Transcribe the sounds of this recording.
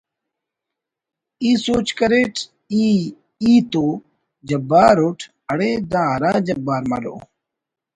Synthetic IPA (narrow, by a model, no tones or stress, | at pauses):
iːsoːt͡ʃkəɾeːʈʰ | iː | iːt̪oː | d͡ʒəbaːɾoːʈʰ | əɽeːd̪ãːɾaːd͡ʒəbːaːɾma̰ːɖo̰ː